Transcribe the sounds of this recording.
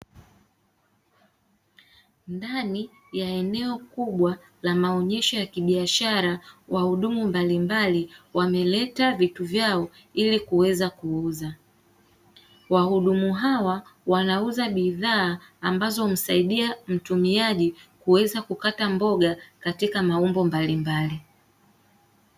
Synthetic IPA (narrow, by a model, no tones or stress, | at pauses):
ndani | jaɛnɛɔkuɓwa | lamaɔɲɛʃɔjakiɓiaʃaɾawʔahuɗumumbalimbaliwamɛlɛtavituvjaɔ | ilikuwɛzakuuza | wahuɗumuɦawawanauzaɓiðaː | mbazɔm̩saiɗiam̩tumiaʄikuwɛzakukatambɔɠakatikamaumbɔmbalimbali